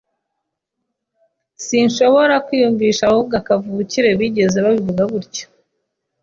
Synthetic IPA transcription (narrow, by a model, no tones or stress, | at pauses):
sinʃo̞βo̞ɾakwijuɱviːʃahuɡakavuuciɾe̞βiɟe̞ze̞βaβivuɡaβuɾɟo̥